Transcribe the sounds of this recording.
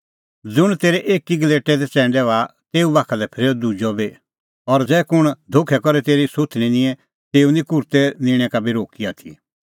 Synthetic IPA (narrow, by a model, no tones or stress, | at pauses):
d͡zʊɽ̃t̪eːɾɛʔeːkiɡəleːʈɛd̪ɛt͡sɛ̃ːɳɖɛat̪eːubaːkʰalɛpʰɪɾeɔd̪ud͡ʒɔbe | ɔɾd͡zɛːkʊɽ̃d̪ʱokʰɛkɔɾɛt̪eːɾisʊt̪ʰñinĩɛ̃ | t̪eːunĩkʊɾt̪ɛnɪ̃ːɽ̃ɛ̃kabʱiɾoːkiat̪ʰḭ